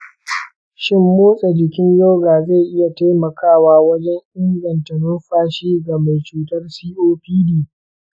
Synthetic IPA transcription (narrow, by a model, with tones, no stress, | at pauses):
ʃɪ˦mːoː˦sʼɛ˨d͡ʒɪ˨kʲɪ˦ɲjoː˦ɡaː˨za˦˨ʔɪ˦ja˨ta˦jmɐ˨kʰaː˦˨waː˦wɐ˦d͡ʒɛ˦ɲʔɪ˦ŋɡɐ˨ntɐ˨nʊ˦nɸaː˦ʃiː˦ɡa˨ma˨jt͡ʃuː˨tɐ˦rsiː˦ʔoː˦ɸiː˦diː˨